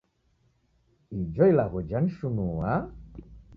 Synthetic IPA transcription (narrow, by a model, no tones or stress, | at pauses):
id͡ʒɔilaɣɔd͡ʒanʃunuwa